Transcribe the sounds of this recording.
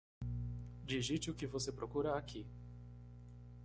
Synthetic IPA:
d͡ʒiʒit͡ʃɪʊkɪvosepɾokuɾɐakʰi

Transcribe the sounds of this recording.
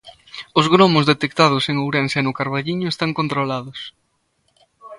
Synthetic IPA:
ʊzɣɾomʊzðet̪ekt̪aðʊseŋowɾɛnsɛnʊkaɾβaʎiɲʊest̪aŋkont̪ɾolaðʊs

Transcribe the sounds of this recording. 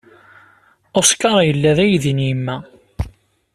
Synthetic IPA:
oskːɑɾˤɑjəlːæðæjðinjimːæ

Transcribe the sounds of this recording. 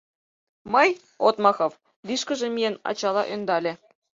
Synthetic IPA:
mɤj | ot̪mɑxɤ̆v | liʃkə̆ʒĕmʲijenɑ̰t͡ɕɑlɑ̰ʔønd̪ɑlʲĕ

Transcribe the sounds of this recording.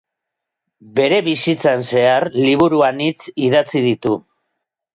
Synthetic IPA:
be̞ɾe̞βisit͡sanse̞aɾliβ̞uɾuanit͡siðat͡sið̞it̪u

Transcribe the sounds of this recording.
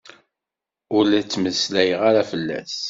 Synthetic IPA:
ʊlæt͡sːməslæjəʁaɾafəlːæ̰s

